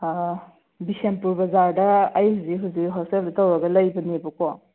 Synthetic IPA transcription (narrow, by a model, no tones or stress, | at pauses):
bisempuɾbɐzaɾdɐːjhuzikɦuzikɦɔsteldɐtawɾɐɡɐlajbɐnebɐkɔ